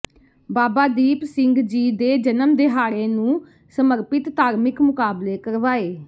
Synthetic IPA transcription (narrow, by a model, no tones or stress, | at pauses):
baːbaːd̪iːpsɪ̃ŋɡd͡ʒiːd̪eːd͡ʒənəmd̪ɪɦaːɽeːnũː | səməɾpɪt̪t̪aːɾmɪkmʊkaːbleːkəɾʋaːeː